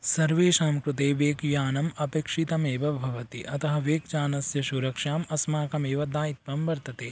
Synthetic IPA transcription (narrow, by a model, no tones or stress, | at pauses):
sɐɾʋeːʃaːmkɾut̪eːʋeːkjaːnɐmɐpeːkʂit̪ɐmeːʋɐbʱɐʋɐt̪iʔɐt̪ɐɦɐʋeːk̚d͡ʒaːnɐsjɐʃuɾɐkʂaːmɐsmaːkɐmeːʋɐd̪aːjit̪ʋɐmʋɐɾt̪ɐt̪eː